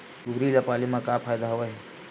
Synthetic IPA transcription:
ɡuɡɾilapalimakapʰajd̪aɦəʋəɦ

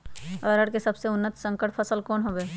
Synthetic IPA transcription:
ɾəɽkesɐbseʊnːət̪sə̃ŋkəʈpʰɐsəlkɔːnɦoʋeː

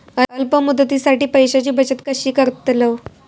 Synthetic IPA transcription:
əəlpəmud̪ːət̪isaʈiːpəjɕat͡ɕiːbət͡ɕət̪kəɕiːkəɾt̪ləʋ

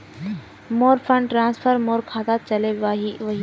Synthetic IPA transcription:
moːɾpʰə̃ɳɖʈɾãːnspʰəɾmoːɾkʰaːt̪aːt̪̚t͡ʃɐleʋɐɦi

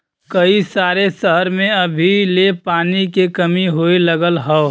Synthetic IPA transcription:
kəisaːɾesəɦəɾmẽɐbʱilepaːnikekɐmiɦoiləɡəlɦɔ

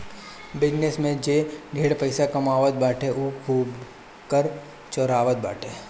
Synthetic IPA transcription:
bɪd͡ʒnesmẽd͡ʒeːɡʱeːɽpəɪsakɐmaːʋət̪̚baːʈʰeʔukʰuːb | kəɾ | t͡ʃɔɾaːʋət̪̚ba̰ːʈʰeː

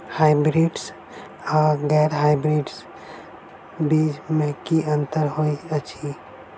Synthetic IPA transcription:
haːɪbɾiɖs | aːɡɛɾɦaɪbɾiːɖs | bid͡ʒmẽkiə̃nt̪əɾɦoiət͡ʃʰi

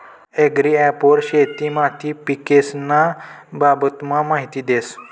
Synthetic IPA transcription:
eɡɾiɛpoɾɕet̪iːmat̪ʰiːpikesnababət̪mamaɦit̪iːd̪es

